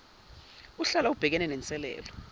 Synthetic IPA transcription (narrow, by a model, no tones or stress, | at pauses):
uɬalaub̥ʱɛk̬ɛnɛnɛnt͡sʼɛlɛ̰ːlɔ